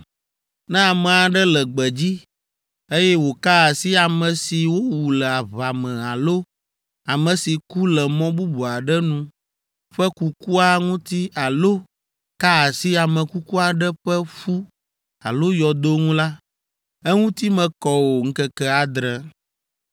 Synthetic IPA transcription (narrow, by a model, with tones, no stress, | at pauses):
nɛ̃˦a˨mɛ̃˨a˨ɖɛ˦lɛ˨ɡ͡bɛ˨d͡ʑi˦ | e˦jɛ˦wo˨ka˦a˨si˦a˨mɛ̃˨si˨wo˦wu˨lɛ˨a˨βa˨mɛ̃˨a˨lo˦ | a˨mɛ̃˨si˨ku˦lɛ˨mɔ̃˦bu˦bu˨a˨ɖɛ˦nũ˦ | ɸɛ˦ku˦ku˦a˦ŋũ˦t̪i˦a˨lo˦ | ka˦a˨si˦a˨mɛ̃˨ku˦ku˦a˨ɖɛ˦ɸɛ˦fu˦ | a̰˨lo˦jɔ˨d̪o˦ŋũ˦la˦ | ɛ˦ŋũ˦t̪i˦mɛ̃˨kɔ˦wo˨ŋ̩˦kɛ˦kɛ˦a˨d̪ɾɛ˦